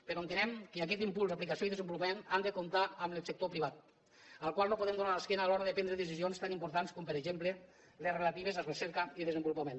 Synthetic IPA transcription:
peɾɔoent̪enɛmkəak̬ɛt̪impulzaplikasioiðezəmbulupamenand̪ekomt̪aəmlesekt̪opɾiβ̞at̪̚ | əlˠkwalˠnopoðɛmd̪unaləskɛnaːlɔɾaðəpɛnd̪ɾəðəs̬izionst̪animpuɾt̪anskɔmpəɾeʒemple | lezrelat̪iβ̞ezaresɛɾkəiðezəmbulupamen

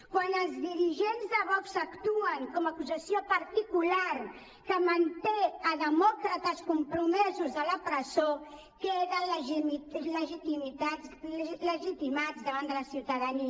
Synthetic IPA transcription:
kwanəlzðiɾiʒenzðaβɔksakt̪uaŋkɔmakuzasjopaɾt̪ikulaɾ | kəmant̪eaðəmɔkɾat̪askumpɾumɛzuzðəlapɾəzo | keðalʒmiləʒit̪imit̪asləʒit̪imat̪zðəβand̪əlasiuwt̪aðani

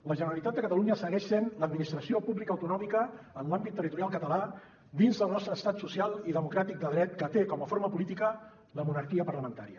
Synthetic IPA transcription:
ləʒənəɾəlit̪at̪̚d̪əkət̪əluɲəsəɣɛʃsenləd̪̚minist̪ɾəsiopuβlikəːwt̪unɔmikəː | nlambit̪ːərit̪uɾjalˠkət̪əla | d̪inzðəlˠnɔst̪ɾəːst̪at̪susjalˠiðəmukɾat̪ik̚d̪əðɾɛt̪̚kət̪ekɔməfoɾməpulit̪ikə | ləmunəɾkiəpərləmənt̪aɾiə

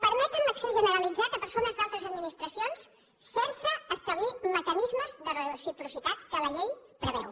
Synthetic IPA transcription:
pəɾmɛt̪ənləkseʒənəɾəlid͡zat̪əpəɾsonəzd̪alˠt̪ɾəzəd̪minist̪ɾəsionsː | ensəːst̪əβliməkənizməzðərəsipɾusit̪at̪kələʎejpɾəβ̞ɛ̰w

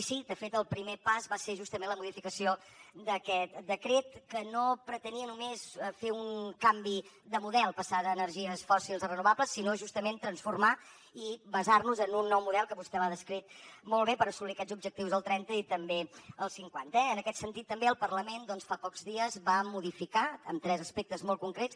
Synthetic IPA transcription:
sid̪əfet̪əlˠpɾimepazβaseʒust̪əmẽnləmuðifikəsio | d̪əkɛt̪̚d̪əkɾet̪kənopɾət̪əniənumesfeuŋkambi | d̪əmuðɛlˠpəsaðəːnərʒiəsfɔsilˠzirənuβabləsːinoʒust̪əment̪ɾənsfurma | ibəzarnuzənunːɔwmuðɛlˠkəβust̪ɛβaðəskɾit̪̚molˠβepəɾəsuβliəkɛzubʒək̚t̪iwzəlˠt̪ɾɛnt̪əit̪əmbeəlˠsiŋkwant̪əɛənəkɛt̪sənt̪it̪ːəmbeəlˠpərləmend̪ɔnsfapɔkzðiəzβamuðifikaə̰mt̪ɾɛzəspek̚t̪əzmolˠkuŋkɾett͡s

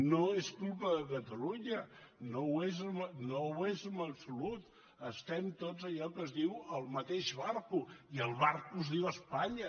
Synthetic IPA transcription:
noeskulˠpəðəkət̪əluɲənowezəmnowezəmbəpsulut̪ | əst̪ɛmt̪ozəʎɔkəzðiwəlˠmət̪eʒβaɾkuiəlˠβaɾkuzðiwəspaɲə

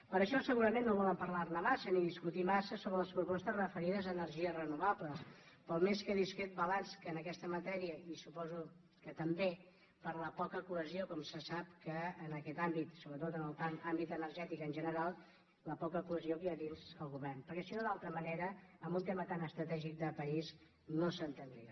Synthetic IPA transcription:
pəɾəʃɔsəɣuɾəmenːoβɔləmpəɾlarnəmasəniðiskut̪imasəsoβɾələspɾupɔst̪əzrəfəɾiðəzəːnəɾʒiərənuβapləspəlˠmeskəðiskɾet̪̚bəlanskənəkɛst̪əmət̪ɛɾiəisupɔzu | kət̪əmbe | pəɾləpɔkəkuəziokɔmsəsap̚kəːnəkɛt̪ambit̪soβɾət̪ot̪ənəlˠpanambit̪ənəɾʒɛt̪ikənʒənəɾalˠ | ləpɔkəkuəziokiaðinzəlˠɣuβɛrnpəɾkɛsinoðalˠt̪ɾəməneɾəəmbunt̪emət̪anəst̪ɾət̪ɛʒik̚d̪əpəiz | nosənt̪ənd̪ɾia

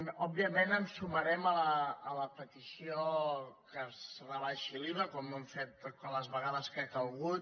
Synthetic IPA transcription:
ɔbbiəmenəmsuməɾɛmələːləpət̪isiokəsəβaləʃiliβəkomnɛɱfet̪ələzβəɣaðəskekəlˠɣut̪

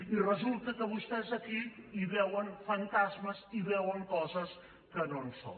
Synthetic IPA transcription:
irəzulˠt̪əkəβust̪ɛzəkiiβɛwənfənt̪azməziβɛwəŋkɔzəs | kənonso̰n

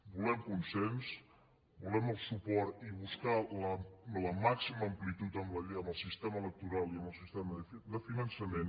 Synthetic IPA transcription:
bulɛmkunsɛns | bulɛməlˠsupɔɾt̪iβuskalələmaksiməːmplit̪ut̪əmləʎəməlˠsist̪ɛmələk̚t̪uɾalˠiəməlˠsist̪ɛməd̪əfinənsəmen

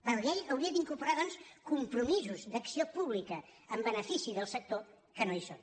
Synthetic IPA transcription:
bənlejəwɾiəd̪iŋkuɾpuɾaðɔnskumpɾumizuzd̪əksiopuβ̞likəəmbənəfisiðəlˠsək̚t̪o | kənoison

